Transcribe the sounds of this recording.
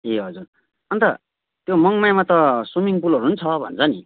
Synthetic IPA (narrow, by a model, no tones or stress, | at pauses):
eɦʌd͡zur | ʌnt̪ʌ | t̪jomʌŋmajmat̪ʌsomiŋp̬ulʌɾuɦunt͡sʰʌbʱʌ̰nt͡sʰʌni